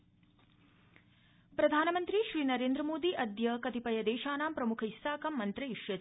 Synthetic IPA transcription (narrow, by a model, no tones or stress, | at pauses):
pɾɐd̪ʱaːnɐmɐnt̪ɾiʃɾiːnɐɾeːnd̪ɾɐmoːd̪iːʔɐd̪jɐkɐt̪ipɐjɐd̪eːʃaːnaːmpɾɐmukʰɐisaːkɐmːɐnt̪ɾɐiʂjɐ